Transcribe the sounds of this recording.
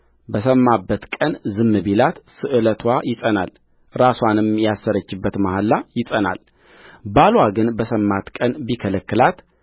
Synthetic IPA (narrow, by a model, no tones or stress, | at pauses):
bəsəmːabːət̪kʼənzɨmːɨbilat̪sɨʔɨlət̪ʰwajɪsʼəna̰l | ɾaswanɨmjasːəɾət͡ʃːɪbːət̪mahalːajɪsʼəna̰l | balwaɡɨnbəsəmːat̪kʼənbikʰələkːɨlat̪